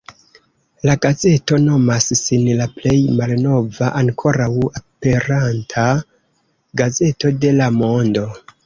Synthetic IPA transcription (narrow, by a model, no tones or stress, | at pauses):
laɡaze̞to̞no̞massinlaple̞jmalno̞vaʔaŋkʰo̞ɾawape̞ɾantʰa | ɡaze̞to̞de̞lamo̞ndo̞